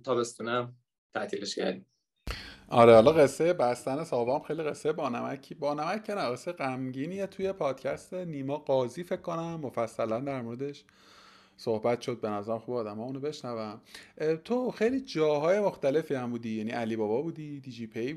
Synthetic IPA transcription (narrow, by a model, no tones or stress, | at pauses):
t̪ʰɒːbest̪uːnæm | t̪ʰæt̪ʰiːleʃcæ̰ɾd̪i | ʔɒ̰ɾehɒlɒɣe̞sːejebæst̪æne̞sɒːbɒmxejliɣe̞sːejebɒːnæmæcʰːibɒːnæmæcʰːenæɣesːejeɣæmɟiːniet̪ʰuje̞pʰɒːd̪̥cʰæst̪eniːmɒːɡɒːziːfe̞cʰkːo̞næmːofæsːælænd̪æɾmoɾed̪e̞ʃ | sohbæt̪ʃo̞d̪̚be̞næzæɾæmxuːbeɒːd̪æmɒːunobe̞ʃnævæmt̪ʰoxe̞jliːd͡ʒɒːɦɒːje̞moxt̪æle̞fiæmbuːd̪ijæniʔæliːbɒːbɒːbuːd̪id̪id͡ʒipʰe